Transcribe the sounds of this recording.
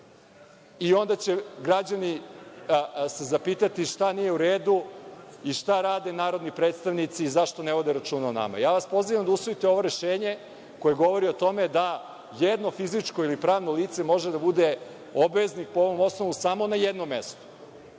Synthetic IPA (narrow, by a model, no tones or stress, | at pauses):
io̞nd̪at͡ɕeɡɾad͡ʑani | se̞zapiːt̪at̪iʃt̪anije̞uɾeːd̪uiʃt̪aɾaːd̪enaːɾo̞d̪nipɾeːt̪st̪aʋnit̪siːzaʃt̪o̞neʋo̞d̪e̞ɾat͡ʃuːnaona̰ma̰jaːʋaspo̞ziʋamd̪ausʋo̞it̪eo̞ʋo̞ɾe̞ʃeːɲe | ko̞je̞ɡo̞ʋo̞ɾiot̪o̞me̞d̪a | jed̪no̞fizit͡ʂko̞ilipɾaːʋno̞liːt̪se̞mo̞ʒed̪abud̪e | o̞bʋeznikpoo̞ʋo̞mo̞sno̞ʋusamo̞najed̪nomːḛst̪o̥